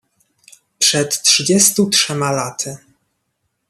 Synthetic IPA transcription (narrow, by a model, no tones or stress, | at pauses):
pʂɛt̪tʂɘd͡ʑɛst̪utʂɛmalat̪ʰɘ